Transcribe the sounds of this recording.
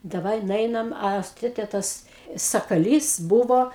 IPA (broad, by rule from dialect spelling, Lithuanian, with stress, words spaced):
dɐˈʋɐɪ nʊˈɛɪnɐm ˈɐ s ˈtʲeːtʲeː ˈtɐs sɐkɐˈlʲiːs ˈbʊʋoː